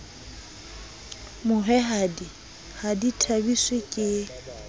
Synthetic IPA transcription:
mʊɦɛɦadi | haditʰabiswekʼɪ

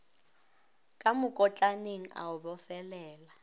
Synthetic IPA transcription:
kʼamʊkʼɔt͡ɬʼaneŋ̩ʔa̰ʊbɔfɛlɛːla

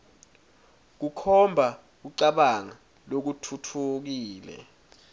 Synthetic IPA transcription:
k̬ukʰɔmbʱa | k̬uǀaɓaŋa | lok̬utʰutʰuk̬iːlɛ̰

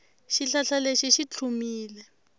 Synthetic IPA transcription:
ʃiɬaɬaleʃiʃit͡ɬʰumiːlɛ

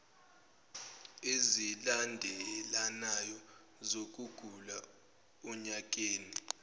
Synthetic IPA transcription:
ezilandʱɛlanajɔ | zok̬ʼuɡ̥ʱula | uɲak̬ʼeːni

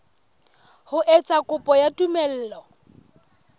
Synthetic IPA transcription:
hʊʔet͡sʼakʼʊpʼɔjatʼumɛl̩ːlɔ

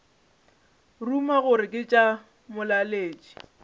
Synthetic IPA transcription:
rumaɣʊɾɪkʼɪt͡ʃʼa | mʊlaleːt͡ʃʼi̥

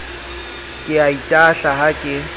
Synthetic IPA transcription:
kʼɪaitʼaɬaɦakʼɪ

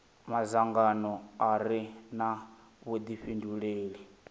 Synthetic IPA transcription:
mazaŋɡanɔaɾina | βod̪iɸinduɺeːɺi

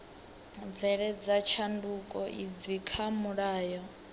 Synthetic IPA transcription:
vɛɺɛd͡zat͡ʃʰandukʼɔʔid͡zikʰamuɺaːjɔ

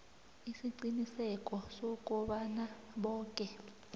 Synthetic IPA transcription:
isiǀinisɛkʼɔsɔkʼɔɓana | ɓɔːkʼɛ

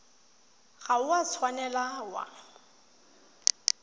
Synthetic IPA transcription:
ɣaʊwat͡sʰwanɛlawa̰

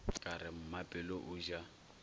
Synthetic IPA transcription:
kʼaɾɪm̩mapʼɪlɔʔʊːʒa

